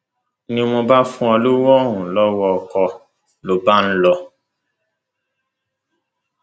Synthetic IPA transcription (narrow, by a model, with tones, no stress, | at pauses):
nĩ˧mõ˧ba˦fũ˦ɔ˧lu˦wɔ˦ɦũ˨lɔ˦wɔ˧˨kɔ˧ | lo˨˦ba˦n̩˦lɔ˧